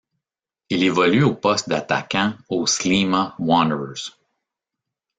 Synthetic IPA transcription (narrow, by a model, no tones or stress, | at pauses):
ilevɔlyoːpɔst̪̚d̪at̪a̰kʲãoslimawɑ̃nəz̥